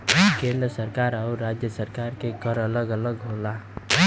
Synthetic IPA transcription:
kẽnd̪ɾəsəɾkaːɾaʊɾad͡ʒjəsəɾkaːɾkeɡəɾələɡələɡɦola

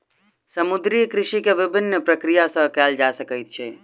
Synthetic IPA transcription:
səmud̪ɾijkɾɪʃikeʋibʱinːəpɾəkɾijasə̃ɦkɛld͡ʒasəkəjt̪̚t͡ʃʰɛ

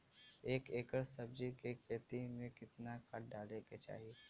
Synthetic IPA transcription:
eːkeːkəɾsɐbd͡ʒikekʰeːt̪imẽkɪt̪nakʰɐʈ̚ɖaːleket͡ʃa̰ːɦieː

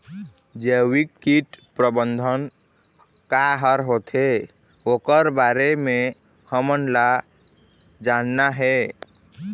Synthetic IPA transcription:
d͡ʒewikːiʈpɾəbənd̪ʱən | kaɦəɾɦot̪ʰe | okəɾbaɾeme | həmənla | d͡ʒanːaɦɛ

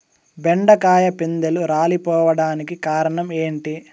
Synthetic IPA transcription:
beɳɖɐkaːjɐpind̪eluɾaːlipɔːʋɐɽaːnikikaːɾɐɳɐme̞ːɳʈi

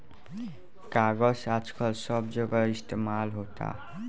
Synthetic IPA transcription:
kaɡɔsad͡ʒkʰʌlsʌbd͡ʒəɡɔist̪emalɦot̪a̰

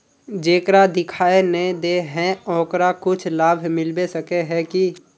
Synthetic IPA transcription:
d͡ʒeːkɾad̪ɪkʰaːenəĩd̪eːɦɛ̃ɔ̃ːkɾakʊt͡ʃʰlaːbʱmɪlbesəkeɦɛ̃ki

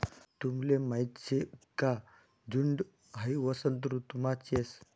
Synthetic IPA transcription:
t̪umlemajt̪t͡seka | d͡zuɳɖ | ɦajiʋəsənt̪̬ɾut̪umat͡ɕes

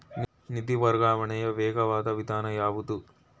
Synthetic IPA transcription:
n | nit̪iʋɐɾɡaːʋɐɳɐjɐʋɛːɡɐʋaːt̪ɐʋid̪aːnɐjaːʋut̪u

